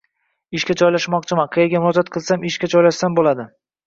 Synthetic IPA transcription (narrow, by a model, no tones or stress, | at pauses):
ɪʃkʲad͡ʒɒjlaʃmɒqt͡ʃʰɪmaqʰɨjaɡʲamʊɾɒd͡ʒat̪̚qʰɨlˠsamɪʃkʲad͡ʒɒjlaʃsanbolad̪ɪ